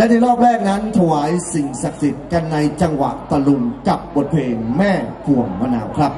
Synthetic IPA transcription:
lɛ˦˥˩t̪ʰiː˧˩ɾɔː˥˩p̚ɾɛː˥˩k̚na˦˥nt̪ʰa˧waː˩˦jsi˨˩ŋsa˨˩k̚si˨˩t̪̚ka˧nːa˧jt͡ɕa˧ŋwa̰˨˩ʔt̪a˧lu˧nka˨˩p̚bo˨˩t̪̚pʰeː˧mɛː˥˩kʰu˨˩əmːa˧na̰ː˩˦wkʰɾa˦˥p̚

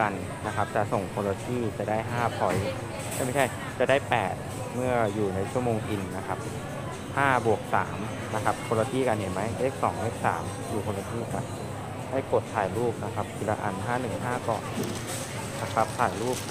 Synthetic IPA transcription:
a˧n | na˦˥kʰa˦˥p̚t͡ɕa˨˩so˨˩ŋpʰo˧la˧t̪ʰiː˥˩t͡ɕa˨˩daː˥˩jɦaː˥˩pʰɔ˨˦j | ma˥˩jma˥˩jt͡ɕʰa˥˩j | t͡ɕa˨˩daː˥˩jpɛː˨˩t̪̚ | mɯ˥˩ɐjuː˨˩na˧˥jt͡ɕʰu˥˩əmoː˧ŋʔi˧nːa˦˥kʰa˦˥p̚ | haː˥˩bu˨˩ək̚sa̰ː˩˦m | na˦˥kʰa˦˥p̚kʰo˧la˧t̪ʰiː˥˩ka˧nɦe˨˦ma˦˥jleː˦˥˩k̚sɔː˩˦ŋleː˦˥˩k̚sa̰ː˩˦m | juː˨˩pʰo˧la˧t̪ʰiː˥˩ka̰˧˩ | daː˥˩jko˨˩t̪ʰːaː˨˩jluː˥˩p̚na˦˥kʰa˦˥p̚ki˧laː˧ʔa̰˧nɦaː˥˩nɯ˨˩ŋɦaː˥˩kɔ̰ː˨˩n | na˦˥kʰa˦˥p̚t̪ʰaː˨˩jluː˥˩p̚

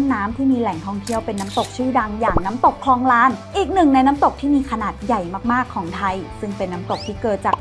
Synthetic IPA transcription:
aː˦˥mt̪ʰiː˥˩miː˧lɛː˩˦ŋt̪ʰɔ˥˩ŋt̪ʰi˥˩əwpe˧nːaː˦˥mt̪o˨˩k̚t͡ɕʰɯː˥˩da˧ŋjaː˨˩ŋnaː˦˥mt̪o˨˩kʰlɔː˧ŋɾaː˦˥nʔiː˨˩k̚nɯ˨˩ŋna˧jnaː˦˥mt̪o˨˩k̚t̪ʰiː˥˩miː˧kʰa˧naː˨˩t̪̚ja˨˩jmaː˥˩k̚maː˥˩kʰːɔː˩˦ŋt̪ʰa˧jsɯ˥˩ŋpe˧nːaː˦˥mt̪o˨˩k̚t̪ʰiː˥˩kɤː˨˩t̪̚t͡ɕaː˨˩k̚

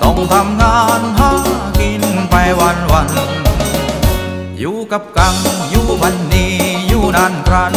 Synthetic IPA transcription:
t̪ɔ˧˩ŋt̪ʰa˧˥mŋaː˧nha˧˥ŋki˧n˧ŋpa˧jwa˧nwa˧n | juː˧˦ka˧˥p̚ka˧ŋjuː˧˩pʰa˧nːi˧juː˧˩naː˧nkʰɾa˧n

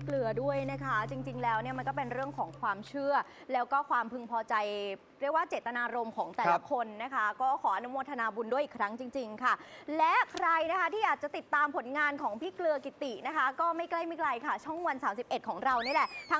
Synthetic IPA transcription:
klɯ˧ɐdu˥˩əjna˦˥kʰa˦˥t͡ɕi˧ŋt͡ɕi˧ŋlɛː˦˥wni˥˩ma˧nkɔː˥˩pe˧nɾɯ˥˩əŋkʰɔː˩˦ŋkʰwaː˧mt͡ɕʰɯ˥˩ɐ | lɛː˦˥wkɔː˥˩kʰwaː˧mpʰɯ˧ŋpʰɔː˧t͡ɕa˧j | ɾək̚waː˥˩t͡ɕeː˨˩t̪ːa˧naː˧ɾo˧mkʰɔː˩˦ŋt̪ɛː˨˩la˧˨˦kʰo˧nːa˦˥kʰa˦˥kɔː˥˩kʰɔː˩˦ʔa˧nu˦˥moː˧nt̪ʰa˧naː˧bu˧ndu˥˩əjʔi˨˩kʰɾa˦˥ŋt͡ɕi˧ŋt͡ɕi˧ŋkʰa˥˩lɛ˦˥kʰɾa˧jna˦˥kʰa˦˥t̪ʰiː˥˩ʔaː˨˩t̪̚t͡ɕa˨˩t̪i˨˩t̪ːaː˧mpʰo˩˦nŋaː˧nkʰɔː˩˦ŋpʰiː˦˥˩klɯ˧ɐki˨˩t̪i˨˩ʔna˦˥kʰa˦˥kɔː˥˩ma˥˩jkla˥˩jmiː˧˥˩kʰɾa˧jkʰa˥˩t͡ɕʰu˥˩əŋwa˧nsaː˩˦msi˨˩p̚ʔe˨˩t̪̚kʰɔː˩˦ŋɾa˧wni˥˩˨lɛ˨˩t̪ʰa˦˥

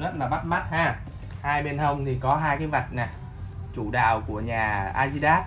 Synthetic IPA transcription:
zə˦˥t̚laː˨˩ɓa˦˥t̚ma˦˥t̚haː˧˩ | haː˧jɓe˧nhə˧wŋ͡mt̪ʰi˨˩kɔ˨˦ɦaː˧jkaː˨˦jva˨˩t̚na˨˩ | t͡ɕṵ˧˩ɗa̰ː˧˨wku˧˩əɲaː˨˩ʔaː˧zi˧ɗaː˦˥t̚

